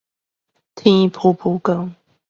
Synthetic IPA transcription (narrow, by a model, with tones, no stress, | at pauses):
t̪ʰi˥˧ŋi˧˩pʰu˥˧pʰu˥˧˩kə˥ŋ